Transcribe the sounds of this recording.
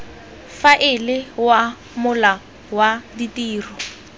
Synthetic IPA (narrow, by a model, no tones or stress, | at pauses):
faʔɪlɪwa | mʊla | waditiːrʊ